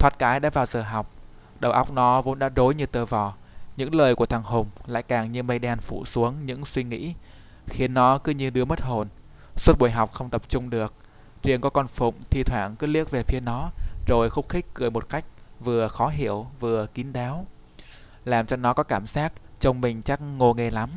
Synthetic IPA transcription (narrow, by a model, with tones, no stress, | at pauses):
t̪ʰwaː˨˧˥t̚kaː˨˦jɗa̰ː˧˥vaː˨˩wzəː˨˩ɦa˨˩wk͡p̚ | ɗə˨˩wʔa˦˥wk͡p̚nɔ˨˦vo̰˧˥nɗa̰ː˧˥zo˨˦jɲɨ˧t̪əː˧˩vɔ˨˩ | ɲɨ̰˧˥ŋləː˨˩jku˧˩ət̪ʰaː˨˩ŋɦʊ˨˩ŋ͡mla̰ː˧˨jkaː˨˩ŋɲɨ˧mə˧jɗaː˧nfṵ˧˩su˨˦əŋɲɨ̰˧˥ŋswi˧ŋḭ˧˥ | xi˨˦ənːɔ˨˦kɨ˨˧˦ɲɨ˧nɗɨ˧əmə˦˥t̚ho˨˩n | swə˦˥t̚ɓo˧˩jɦa˨˩wk͡p̚xə˧wŋ͡mt̪ə˨˩p̚t͡ɕʊ˧ŋ͡mɗɨ˨˩ək̚ | t͡ɕi˨˩əŋkɔ˨˦kɔ˧nfʊ̰˧˨ŋ͡mt̪ʰi˧˩t̪ʰwaː˧˩ŋkɨ˨˦li˦˥ək̚ve˨˩fi˧ənɔ˨˦zo˨˩jxə˧wŋ͡mxi˦˥k̟̚kɨ˧˩əjmo˨˩t̚ka˦˥jk̚vɨ˨˩əxɔ˨˦ɦi˧˩əwvɨ˨˩əki˨˦nɗaː˨˦w | laː˨˩mt͡ɕɔ˧nɔ˨˦kɔ˨˦kaː˧˩msaː˦˥t̚t͡ɕə˧wŋ͡mmï˨˩ŋ̟t͡ɕa˦˥k̚ŋo˧˩ŋe˧˩la˨˦m